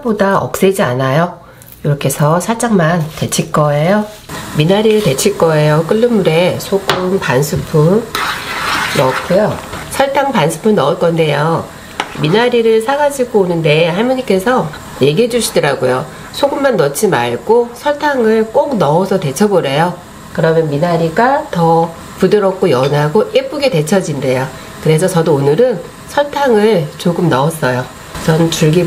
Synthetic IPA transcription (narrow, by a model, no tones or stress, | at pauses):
bodaʌ̰k̚s͈ed͡ʑia̰najo | iɾʌkʰe̞sʰʌsʰat͡ɕ͈aŋmante̞t͡ɕʰiɭk͈ʌejominaɾiɾɯɭte̞t͡ɕʰiɭk͈ʌe̞jok͈ɯɭːɯmːuɾe̞sʰoɡɯmpansʰɯpʰɯn | nʌtk͈ujosʰʌɭtʰaŋpansʰɯ̥pʰɯnːʌʌt̚k͈ʌnde̞jo | minaɾiɾɯɭsʰaɡad͡ʑiɡoːnɯnde̞hamuɲik͈e̞sʰʌ | je̞ɡiɦed͡ʑuɕʰi̥dɯɾaɡojo̰ | sʰoɡɯmːanːʌt͡ɕʰima̰ɭɡ̥osʰʌɭtʰaŋɯɭk͈ok̚nʌʌsʰʌte̞t͡ɕʰʌboɾe̞jo | kɯɾʌmjʌnminaɾiɡatʌ | pudɯɾʌk͈ojʌnaɡoʔep͈uɡete̞t͡ɕʰʌd͡ʑinde̞jo | kɯɾe̞sʰʌt͡ɕʌdoːnɯɾɯn | sʰʌɭtʰaŋɯɭt͡ɕoɡɯmnʌʌs͈ʌjo | t͡ɕʌnɯnt͡ɕuɭɡi